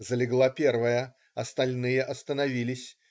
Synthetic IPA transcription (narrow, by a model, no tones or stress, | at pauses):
zəlʲɪɡlˠapʲe̞rvəjə | ɐst̪ɐlʲnɨjəʔɐst̪ənɐvʲilʲɪsʲ